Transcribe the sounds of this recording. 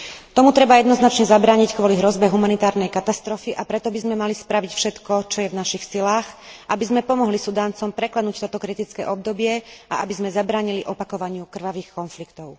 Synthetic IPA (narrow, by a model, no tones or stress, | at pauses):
t̪ɔmut̪ɾɛbajɛd̪nɔznat͡ʃɲɛzabɾaːɲickʋɔliɦɾɔzbɛɦumanit̪aːɾnɛjkat̪ast̪ɾɔfiʔapɾɛt̪ɔbizmɛmalispɾaʋicfʃɛt̪kɔt͡ʃɔjɛvnaʃixsilaːxʔabizmɛpɔmɔɦlisud̪aːnt͡sɔmpɾɛklad̪nuːct̪ɔt̪ɔkɾit̪it͡skɛ̰ːʔɔb̚d̪ɔbɪɛʔa̰ʔabizmɛzabɾaːɲiliʔɔpakɔʋaɲɪukr̩ʋaʋiːxkɔnflikt̪ɔʊ